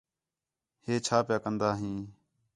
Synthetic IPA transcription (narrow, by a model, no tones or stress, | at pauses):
heːt͡ʃʰaːpjaːkənd̪aːɦĩː